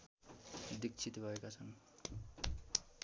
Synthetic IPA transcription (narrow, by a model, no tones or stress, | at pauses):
d̪ik̚t͡sʰit̪bʱʌekat͡sʰʌn